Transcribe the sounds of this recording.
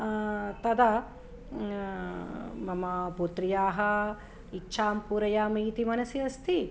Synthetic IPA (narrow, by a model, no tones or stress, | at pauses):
t̪ɐd̪ɐ | mɐmɐpuːt̪ɾijaːɦɐ | itːʃʰaːmpuːɾɐjaːmiːt̪imɐnɐsiɐst̪ʰi